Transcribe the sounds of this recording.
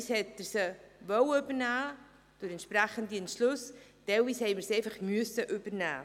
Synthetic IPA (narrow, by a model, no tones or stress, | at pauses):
shɛtːəɾsəvɔwʏbəɾnæː | d̥ʊɾɛntʃpɾɛχəndiɛntʃlʊsd̥ɛwishɛɪməɾseɪfaχmyəsəʔʏb̥əɾnæ̰ː